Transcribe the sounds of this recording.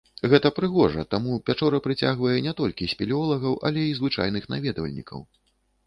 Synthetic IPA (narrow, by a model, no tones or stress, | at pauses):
ɣɛt̪ɐpɾɨɣɔʐɐt̪amuvʲat͡ʂɔɾɐpɾɨt͡sʲaɣvɐjɛnʲɛt̪ɔlʲkʲisʲpʲɛlʲiɔlˠɐɣɐwʔɐ̰lʲɛizvɨt͡ʂa̰jnɨxna̰vʲɛd̪vɐ̰lʲnʲḭkʰɐ̰w